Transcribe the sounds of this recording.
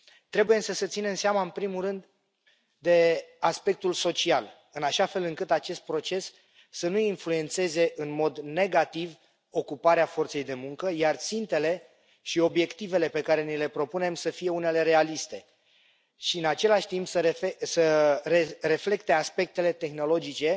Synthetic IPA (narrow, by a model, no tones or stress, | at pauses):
t̪ɾe̞buje̞səsət̪sine̞mseamaɨnpɾimuɾɨnd̪ː | e̞aspe̞k̚t̪ulso̞t͡ʃial | ɨnaʃafe̞lɨŋkɨt̪at͡ʃe̞st̪̚pɾo̞t͡ʃe̞sː | ənuinflue̞nt̪se̞ze̞ʔɨnmo̞d̪ne̞ɡat̪iv | o̞kupaɾeafo̞rt̪se̞jd̪e̞muŋkəjart̪sint̪e̞le̞ | ʃio̞bje̞kt̪ive̞le̞pe̞kaɾe̞nile̞pɾo̞pune̞msəfije̞une̞le̞ɾe̞alist̪e̞ | ʃiɨnat͡ʃe̞laʃt̪impsəɾeesərere̞fle̞kt̪e̞aspe̞k̚t̪e̞le̞t̪e̞xno̞lo̞d͡ʒit͡ʃe̞